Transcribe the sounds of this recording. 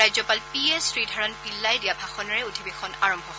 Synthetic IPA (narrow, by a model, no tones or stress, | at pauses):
ajzɔpalpiesɹidʱɔɹɔnpilːajdijabʱaxɔnɔɹɛutʰibexɔna̰ɹɔmbʱɔɦ